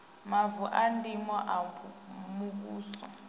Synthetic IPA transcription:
mavuʔandimɔʔamuk̬uːsɔ

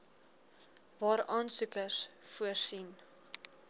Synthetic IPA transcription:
vɑːɾɑːnsʉkəsfuərsin

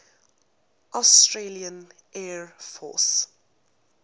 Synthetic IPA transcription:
ʔɔstɹeliə̃n | ʔɛɹfɔ̰s

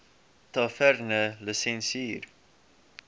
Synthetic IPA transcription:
t̪ɑfɛɾnələsɛnsiːɾ

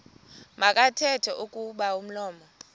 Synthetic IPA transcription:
makʼatʰɛtʰɛʔukʼuɓaum̩lɔːmɔ

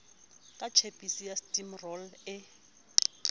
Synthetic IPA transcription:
kʼat͡ʃʰepʼisijastʼimrɔlɪ

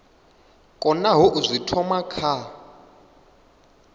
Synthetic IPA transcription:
kʼɔnaɦuʔuzʷitʰɔmakʰa

